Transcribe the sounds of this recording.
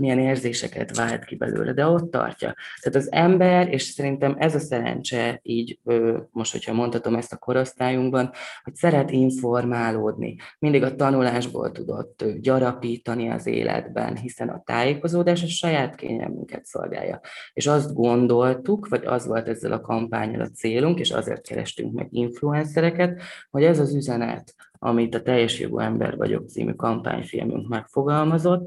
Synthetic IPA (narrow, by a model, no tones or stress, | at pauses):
mijɛneːrzeːʃɛkɛ̰t̪ʋaːlt̪kibɛ̰lø̰ːlʔɛd̪ɛo̞t̪ːɒ̰rcɒ̰t̪aːt̪ɒzɛmbɛɾeːʃsɛɾint̪ɛmɛzɒsɛɾɛ̰nt͡ʃɛiːɟøːmo̞ʃt̪ho̞̰chɒmo̞nt̪hɒt̪o̞mɛst̪ɒ̥ko̞ɾost̪aːjuŋɡbɒnho̞csɛɾɛt̪iɱfo̞rmaːloːd̪nḭmind̪iɡɒt̪ɒnulaːʒbo̰ːlt̪ud̪o̞̰t̪ːɟɒɾɒpiːt̪ɒniɒ̰zḛːlʔɛ̰d̪bɛnɦisɛnɒt̪aːjeːko̞zoːd̪aːʃɒʃɒjaːt̪kḛːɲɛ̰lmyŋkɛt̪so̞̰lɡa̰ːjːɒeːʃɒzt̪ɡo̞nd̪o̞lt̪ukʋɒɟɒ̰zvo̞lt̪ɛzːɛlʔɒkɒmpaːɲɒlɒt̪seːluŋkeːʃɒ̰zḛːrt̪kɛɾɛ̰ʃt̪yŋkmɛ̰ɡiɱfluɛnsɛɾɛkɛt̪hoɟɛzɒzyzɛnɛ̰t̪ɒmit̪ɒt̪ɛjːɛʃjo̰ɡo̰ɛmbɛ̰rvɒ̰ɟo̞k̚t̪sḭːmy̰kɒmpa̰ːɲfilmyŋkmɛkfo̞ɡɒlmɒzo̞t̪ː